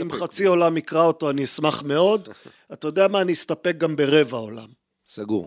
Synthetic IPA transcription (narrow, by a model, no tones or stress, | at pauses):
imχat͡sio̞lamikʁao̞to̞aniismaχme̞o̞d̪ | atajod̪eamaːniist̪ape̞k̚ɡambe̞ʁe̞vaola̰m | saɡṵʁ